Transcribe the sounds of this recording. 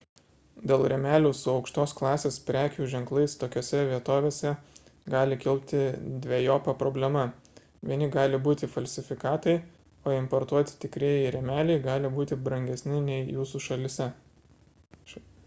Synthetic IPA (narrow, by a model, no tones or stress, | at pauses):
d̪ʲeːlˠɾʲɛmʲæːlʲuːsʊɒʊkʃt̪oːsklˠɑːsʲeːspʲɾʲæːkʲuːʒʲɛŋklˠɐɪst̪oːkʲoːsʲɛʋʲiɛt̪oːʋʲeːsʲɛ | ɡɑːlʲɪkʲɪlʲpʲt̪ʲɪd̪ʲʋʲejoːpɐpɾɔbʲlʲɛmɐ | ʋʲiɛnʲɪɡɑːlʲɪbuːt̪ʲɪfɐlʲsʲɪfʲɪkɑːt̪ɐɪ | oːɪmpɔɾt̪uɔt̪ʲɪ̥t̪ʲɪkɾʲiɛjɪɾʲɛmʲæːlʲɛɪɡɑːlʲɪbuːt̪ʲɪbɾɐŋʲɡʲɛsʲnʲɪnʲɛɪjuːsuːʃɐlʲɪsʲɛ